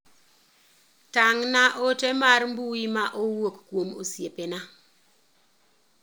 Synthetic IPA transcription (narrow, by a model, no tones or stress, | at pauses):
taŋnaʔotemaɾmbuimaʔowokkwomo̰sjepena